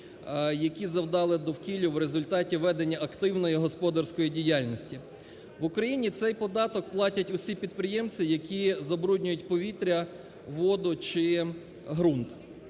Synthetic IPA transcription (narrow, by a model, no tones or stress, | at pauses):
jɐkʲizɐwd̪ɑlˠɪd̪ɔwkʲilʲʊwɾezʊlʲt̪ɑtʲiʋɛd̪enʲːɐɐkt̪ɪwnɔjiɦɔspɔd̪ɐrsʲkɔjidʲijɑlʲnʲɔsʲtʲi | ʋʊkɾɐjinʲit̪sɛjpɔd̪ɑt̪ɔk̚plˠɑtʲɐtʲʊsʲipʲid̪pɾɪjɛmt͡sʲijɐkʲizɐbɾudʲnʲʊjʊtʲpɔʋʲit̪ɾʲɐ | ʋɔd̪ʊt͡ʃɪ | ɦɾunt̪